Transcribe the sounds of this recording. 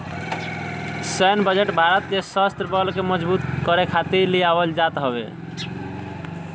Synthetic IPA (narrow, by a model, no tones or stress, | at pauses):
səjnbəd͡ʒeʈbʱaɾət̪̚d͡ʒesast̪ɾəbəlkeməd͡ʒbut̪kəɾekʰat̪iɾliabəld͡ʒat̪ɦəβḛ